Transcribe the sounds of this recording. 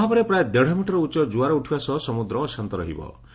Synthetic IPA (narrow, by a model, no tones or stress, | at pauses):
ɦapɔɾepɾajed̪eɽ̤ɔmiʈɔɾɔut͡ʃɔd͡ʒuaɾɔuʈʰibasɔsɔmud̪ɾɔːsant̪ɔɾɔɦḭbɔ̰